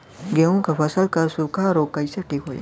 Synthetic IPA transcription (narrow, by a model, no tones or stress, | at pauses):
ɡeũkafɐsəlkɐɾsukaːɾoːkːɐiseʈʰiːkɦoːḭ